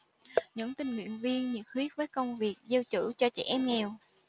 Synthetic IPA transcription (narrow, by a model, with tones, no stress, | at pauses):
ɲə̰˧˥nt̪ï˧ŋ̟mwḭ˧˨ənvi˧ənɲɨ̰˧˥xwi˦˥ət̚vəː˨˦jkə˧wŋ͡mvi˨˩ək̚zə˧wt͡ɕɨ̰˧˩t͡ɕɔ˧t͡ɕɛ˧˩ʔɛ˧mŋɛ˧˩w